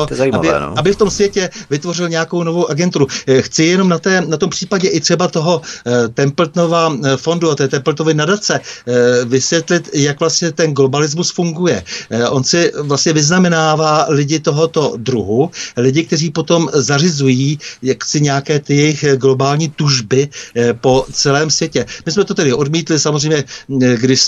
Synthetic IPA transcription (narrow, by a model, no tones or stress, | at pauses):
iːama̰ɪɛ̰ːabɪft̪o̞msvjɛcɛvɪt̪vo̞rɪlɲɛjako̞wnovo̞wʔaɡɛnt̪uɾuxt͡sɪjɛno̞mnat̪ɛːnat̪o̞mpr̥iːpaɟɛʔɪt̪r̝̥ɛbat̪o̞ɦo̞t̪ɛmplt̪no̞vafo̞nduat̪ɛːt̪ɛmpl̩t̪novɪnadat͡sɛ | vɪsvjɛt̪lɪt̪jakvlast̪ɲɛt̪ɛnɡlo̞balɪzmusfuŋɡujɛʔo̞nsɪvlast̪ɲɛvɪznamɛnaːvaːlɪɟɪt̪o̞ɦo̞t̪o̞dɾuɦulɪɟɪk̚t̪ɛriːpo̞t̪o̞mzarɪzujiːjaksɪɲɛjakɛːt̪ɪjɛjɪxɡlo̞baːlɲiːt̪uʒbɪpo̞t͡sɛlɛːmsvjɛcɛmɪsmɛt̪o̞t̪ɛdɪʔo̞dmiːt̪lɪsamozrɛjmɲɛɡdɪʃ